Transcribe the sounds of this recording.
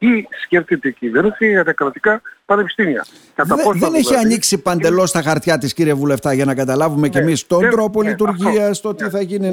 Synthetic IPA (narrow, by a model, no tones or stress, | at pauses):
isceft̪it̪eciveɾnisiɣɐt̪ɐkɾɐt̪ikɐpɐnepi̥st̪imiɐ̰ | kɐt̪ɐosðene̞siɐniksipɐnd̪e̞lo̞st̪ɐxɐɾt̪çɐt̪isciɾievule̞ft̪ɐʝɐnɐkɐt̪ɐlɐvumecemist̪o̞nd̪ɾo̞po̞lit̪̬uɾʝiɐst̪o̞t̪iθɐʝini